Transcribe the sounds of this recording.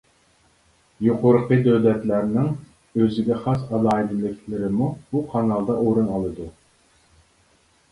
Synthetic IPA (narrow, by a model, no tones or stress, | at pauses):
joqʰʊɾqʰəd̪øwlɛt̪læɾnɪŋ | øzɪɡʲɛχɑsɑlˠɑːid̪ɪlɪkʲʰlɪɾɪmubuqʰɑnɑlˠd̪ɑʔoɾunɑlˠɨd̪u